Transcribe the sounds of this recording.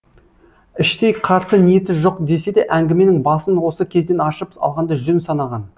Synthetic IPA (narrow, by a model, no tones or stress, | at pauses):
ɪʃt̪e̞jqʰɑɾsənijet̪ɪʒo̞q̚d̪e̞se̞d̪e̞ʔæŋɡʲɪme̞nɪŋbɑsənwo̞səkʲʰe̞zd̪e̞nɑʃəpɑ̰lˠʁɑnd̪ɑʒʏnsɑnɑʁɑn